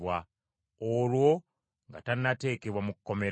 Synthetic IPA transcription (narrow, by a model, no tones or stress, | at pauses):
wa | olwo̞ | ŋɡatannːate̞ːkeβwamukukːo̞me